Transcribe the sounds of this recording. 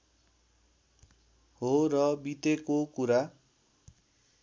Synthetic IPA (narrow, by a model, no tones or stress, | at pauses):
ɦoɾʌbit̪ekokuɾa